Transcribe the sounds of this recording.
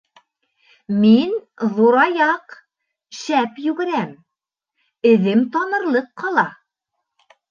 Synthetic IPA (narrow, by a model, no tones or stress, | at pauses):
min | ðuɾɑjɑq | ʃæpjʉɡɘ̆ɾæm | ɘ̆ðɘmt̪ɑnɤ̆ɾlˠɤqːɑlˠɑ